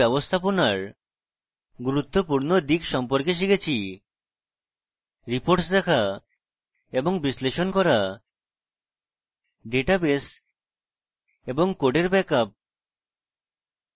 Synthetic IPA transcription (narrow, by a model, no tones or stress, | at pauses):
ɛbost̪ʰaponaɾ | ɡuɾut̪ːopuɾnod̪ikʃɔmpoɾkeʃ̬iɡet͡ɕʰi | ɾipoɾʈsd̪ɛkʰa | eboŋbisleʃonkɔɾa | ɖeʈabes | eboŋkoɖeɾbɛkap̚